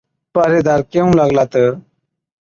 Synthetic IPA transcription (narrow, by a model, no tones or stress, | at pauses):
pɐɾid̪aɾkeũlaɡlat̪ə